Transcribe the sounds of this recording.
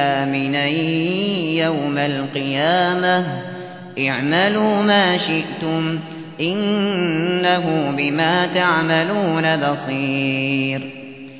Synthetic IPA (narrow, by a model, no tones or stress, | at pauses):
aːmɪnaj | jawmalqɨjaːma | ʔaʕmaluːmaːʃɪʔt̪ʊm | ʔɪnː | aɦʊbɪmaːt̪aʕmaluːnabɑsˤiːɾ